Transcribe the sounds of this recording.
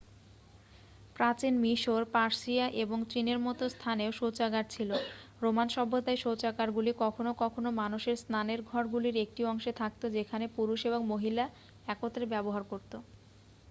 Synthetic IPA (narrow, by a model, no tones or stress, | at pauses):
pɾat͡ɕinmiʃoɾpaɾsiaʔeboŋt͡ɕineɾmɔt̪ost̪ʰaneoʃot͡ɕaɡaɾ̚t͡ɕʰilo | ɾomanʃɔbod̪aeʃot͡ɕakaɾɡulikɔkʰonokɔkʰonomanuʃeɾsnaneɾɡʱɔɾɡuliɾek̚ʈiɔŋʃet̪ʰak̚t̪od͡ʑekʰanepuɾuʃeboŋmoɦila | ɛkot̪ɾebɛboɦaɾkoɾt̪o